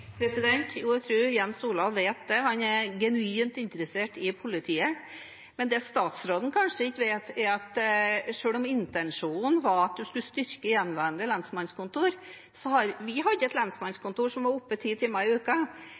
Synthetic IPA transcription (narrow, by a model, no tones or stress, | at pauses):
pʰɾɛsɪd̪ɛnt̪ʰjuːæt̪ʰɾʉːɾjɛnsuːlɑʋːeːt̪̚d̪ɛhɑnɛɡɛnʉiːmt̪ɪnt̪ɾəseːʈɪpʰʊlɪt̪ʰiːə | mɛnd̪ɛːst̪ɑːt̪sɾoːd̪n̩kʰɑnʂəɪçːʋeːt̪ɛɾɑt̪ʂøːɭɔmɪnt̪ɛnʂuːnn̩ʋɑɾɑt̪̚d̪ʉskʉlst̪ʏɾkəjɛnʋæɾənd̪əlɑnsmɑnskʊnt̪uːɾ | sɔhɑɾʋɪɦɑd̪ːəɛt̪lɑnsmɑnskʰʊnt̪uːʂɔmʋɑɾʊpːət̪ʰiːt̪ʰɪmːɑɪʉːkə